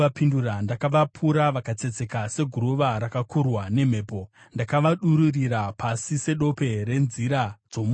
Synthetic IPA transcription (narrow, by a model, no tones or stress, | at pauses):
apindurandakaʋapʰuɾaʋakat͡se̞d͡ze̞kase̞ɡʱuɾuʋaɾakakurwane̞m̤e̞ːpo̞ | ndakaʋaɗuɾuriɾapʰasise̞ɗo̞pe̞ɾe̞nziɾad͡zo̞mu